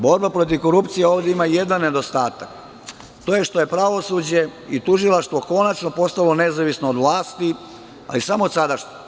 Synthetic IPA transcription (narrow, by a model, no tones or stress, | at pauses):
bo̞ɾbapɾo̞t̪̬iʋko̞ɾupt̪sijeo̞ːʋd̪ʲeimajed̪anːe̞d̪o̞st̪aːt̪ak | t̪o̞je̞ʃt̪o̞je̞pɾaʋo̞sud͡ʑe̞it̪uʒilˠaʃt̪ʋo̞ko̞nat͡ʃnopo̞st̪alo̞nezaʋisno̞ːd̪ʋlaːst̪i | a̰lisamoːd̪sad̪aʃɲe